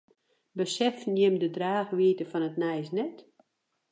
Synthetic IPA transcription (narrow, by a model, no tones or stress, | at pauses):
bəsɛfnjɪmdədraːxʋiətəfɔnətnɛjsnɛt